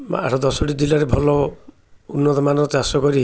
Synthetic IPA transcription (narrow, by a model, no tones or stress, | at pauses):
a̰ʈʰɔd̪ɔsoʈid͡ʒilaɾebʱɔlɔ | unːɔt̪ɔmanɔɾɔt͡ʃasɔkɔɾi